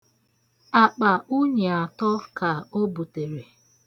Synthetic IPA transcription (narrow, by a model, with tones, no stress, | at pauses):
a˨k͡pa˨u˦ɲe˨a˨tɔ˦ka˨o˦bu˨te˨ɾe˨